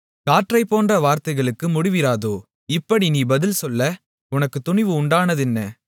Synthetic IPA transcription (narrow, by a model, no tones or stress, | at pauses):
kaːʈrɐɪpːoːndrɐʋaːɾt̪ɐɪɣɐɭɯkːɯmʊɽɪʋɪɾaːðoː | ɪpːɐɽiniːbɐðɪlsɔlːɐ | ʊnɐkːɯt̪ʊɳɪʋɯʊɳɖaːnɐðɪnːɐ